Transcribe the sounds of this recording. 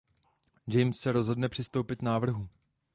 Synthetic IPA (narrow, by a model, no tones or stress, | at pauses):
d͡ʒɛjmsːɛɾo̞zɦo̞dnɛpr̝̥ɪst̪o̞wpɪt̪naːvr̩ɦu